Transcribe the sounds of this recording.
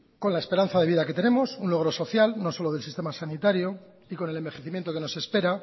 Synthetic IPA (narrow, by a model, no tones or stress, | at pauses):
ko̞nlaespe̞ɾan̟θaðe̞iðake̞t̪e̞ne̞mo̞sunlo̞ɣ̞ɾo̞so̞θjalno̞so̞lo̞ðelsist̪e̞masanit̪aɾjo | iko̞ne̞lembe̞xeθimjent̪o̞keno̞se̞spe̞ɾa